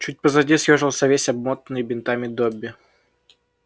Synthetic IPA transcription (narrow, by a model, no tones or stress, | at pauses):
t͡ɕut̚ʲpəzɐdʲisʲjoʐɨlˠsʲɐvʲesʲɐb̚mot̪nɨjəbʲɪnt̪amʲɪd̪obʲːɪ